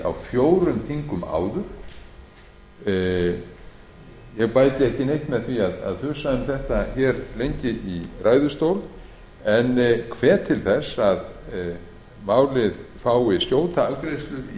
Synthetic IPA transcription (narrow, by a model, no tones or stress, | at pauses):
a̰wfjoːwɾʏmθʰiŋkʏma̰ːwðʏɾ̥ | jɛɣpaːjt̪ɪɛhcɪnejht̪mɛðθviaða̰ðfʏsaðʏmθɛht̪açɛːɾlejɲcɪiraːjðʏst̪owl | ɛnkʰv̥ɛːt̪ʰɪlθɛsːað | maːwlɪðfaːwɪscjoːwt̪aakɾejst̪lʏi